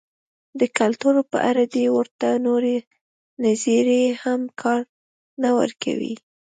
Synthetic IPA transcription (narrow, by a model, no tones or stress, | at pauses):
d̪əkalt̪uɾopə̰ʔa̰ɾad̪ewəɾt̪anoɾe | naziɾehamkʰɑɾ | nawə̰ɾka̰wḭ